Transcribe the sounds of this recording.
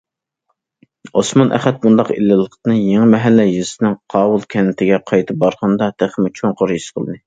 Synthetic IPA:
osmɑnʔɛ̰χɛt̪̚mund̪ɑqilːɪlˠəqt̪ɨnɨjeŋɨmɛɦɛlːɛjizɪsɪnɪŋqʰɑːwulˠkʲʰɛnɪt̪ʰɪɡʲɛqʰɑjt̪ʰɨp̚bɑɾʁɑnd̪ɑt̪ʰeχmɪt͡ʃʰoŋqoɾjisqʰəlˠɨd̪ɨ

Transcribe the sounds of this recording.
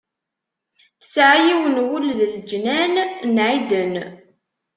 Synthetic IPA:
θə̥sʕajiwənwulðəld͡ʒnænnʕid̪ən

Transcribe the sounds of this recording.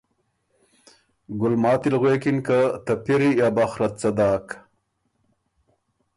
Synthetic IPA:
ɡʊlmɑːt̪ilɣweːkinkat̪ɐpiɾijaːbaxɾɐt̪̚t͡sɐd̪aːk

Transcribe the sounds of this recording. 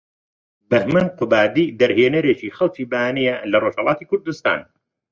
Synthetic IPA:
bɐhmɐnqʊbaːd̪iːd̪ɐɾheːnɐɾeːt͡ʃiːxɐlˠt͡ʃiːbaːnijɐlɐroʒhɐlˠɑːt̪iːkʰʊɾd̪ust̪a̰ːn

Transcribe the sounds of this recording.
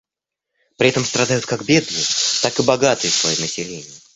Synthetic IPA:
pɾʲɪɛt̪əmst̪ɾɐd̪ajʊt̪̚kakbʲed̪nɨjət̪akɨbɐɡat̪ɨjəfsvɐjimnəsʲɪlʲenʲɪjɪ

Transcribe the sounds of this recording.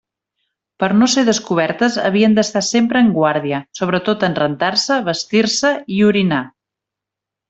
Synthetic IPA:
pəɾnoseðəskuβ̞ɛɾt̪əzə̰βiənd̪əst̪asempɾəːŋɡwaɾðiəsoβ̞ɾət̪ot̪ənrənt̪aɾsəβəst̪iɾsəiuɾina

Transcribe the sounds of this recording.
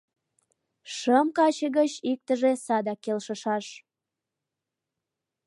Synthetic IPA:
ʃəmkɑt͡ɕəɣət͡ɕik̚t̪əʒesɑd̪ɑkːelʃəʃɑʃ

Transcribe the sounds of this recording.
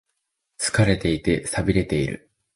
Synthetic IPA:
sɨ̥kaɾe̞t̪e̞it̪e̞sabʲiɾe̞t̪e̞iɾɯ̟̰

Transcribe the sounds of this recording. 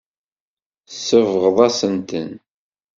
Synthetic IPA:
səvʁəðˤæsənt̪ə̰n

